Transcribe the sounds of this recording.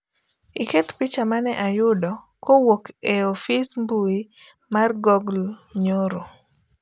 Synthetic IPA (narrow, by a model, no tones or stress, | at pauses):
iket̪pit͡ʃamanɛʔajʊdɔ | kowokeofismbui | marɡɔɡlɲoɾo